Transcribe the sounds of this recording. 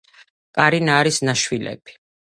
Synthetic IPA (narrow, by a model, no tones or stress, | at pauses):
kʼaɾinaːɾisnaʃwilɛ̰b̥i̥